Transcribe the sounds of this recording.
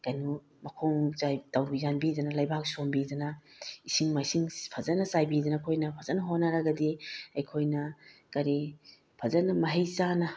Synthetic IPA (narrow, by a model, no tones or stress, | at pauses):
kajnu | mɐkʰoŋzajtawbizanbidɐnɐlajbak̚sombidɐnɐisiŋmasiŋpʰɐzɐnɐsajbidɐnɐkʰojnɐpʰɐzɐnɐɦonːɐɾɐɡɐdiɐjkʰojnɐkɐɾi | pʰɐzɐnɐmɐɦejsanɐ